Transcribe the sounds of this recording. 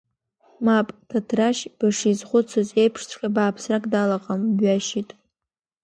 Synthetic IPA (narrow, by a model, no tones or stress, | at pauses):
mapʼtʰatʰraʃb̥aʂizχʷʊt͡sʷʰoze̞jpʰʂt͡sʷʰχʲʼabaːpʰsrakʼdalaqʼambɥaʃitʼ